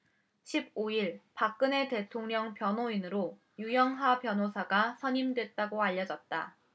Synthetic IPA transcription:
ɕʰib̚oiɭpak͈̚ɯne̞te̞tʰoŋɲʌŋpjʌnoinɯɾo | jujʌŋɦapjʌnosʰaɡasʰʌɲimdwe̞t̚t͈aɡoaʎːʌd͡ʑʌt̚t͈a̰

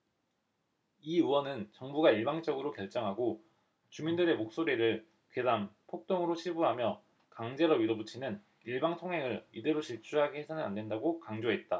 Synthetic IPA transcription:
iuwʌnɯnt͡ɕʌŋbuɡaiɭbaŋt͡ɕ͈ʌɡɯɾokjʌɭt͡ɕ͈ʌŋɦaɡo | t͡ɕumindɯɾe̞mok̚s͈oɾiɾɯɭ | ked͡ʑaŋpʰok̚t͈oŋɯɾoɕʰibuɦamjʌ | kaŋd͡ʑe̞ɾʌbiɾobut͡ɕʰinɯn | iɭbaŋtʰoŋɦe̞ŋɯɾide̞ɾoɕiɭt͡ɕʰuɦaɡehesʰanɯna̰nde̞ndaɡokaŋd͡ʑoɦe̞t̚t͈a

